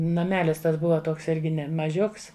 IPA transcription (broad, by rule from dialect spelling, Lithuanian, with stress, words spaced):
nɐˈmʲæːlʲɪs ˈtɐs ˈbʊʋɐ ˈtoːks ˈɪrʲɡʲɪ ˈnʲɛ mɐˈʒʲʊks